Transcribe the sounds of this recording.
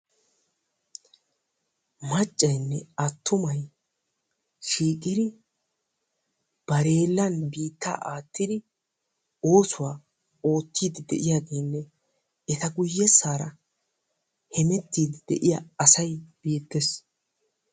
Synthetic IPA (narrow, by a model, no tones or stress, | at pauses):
mɐt͡ʃʼːɐjnːɛɐt̪ːʊmɐj | ʃiːkʼɪd̪ɪ | b̥ɐɾe̞ːlːɐnbiːt̪ːa̰ːʔaːt̪ːɪd̪ɪ | o̞ːsʊwaː | o̞ːt̪ːiːd̪ɪd̪ɛ̰ʔɪjaːɡe̞ːnːɛ | ɛt̪ɐɡʊjːɛsːaːɾɐ̰ | hɛmɛt̪ːiːd̪ɪd̪ɛ̰ʔɪja̰ɐsɐjb̥eːt̪ːɛs